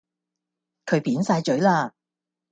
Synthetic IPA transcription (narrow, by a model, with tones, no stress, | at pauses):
kʰɵ˨˧ɥpiː˨˥nsaː˧jt͡ʃɵ˨˥ɥlaː˧